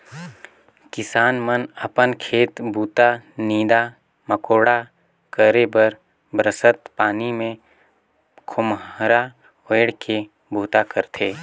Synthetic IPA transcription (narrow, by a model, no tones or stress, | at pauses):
kɪsaːnmənəpənkʰeːt̪bʱuːt̪aniːd̪a | məkoːɽa | kəɾebəɾ | bɾəsət̪paːnimẽ | kʰʊmɾa | oːɽke | bʱuːt̪akəɾt̪ʰeː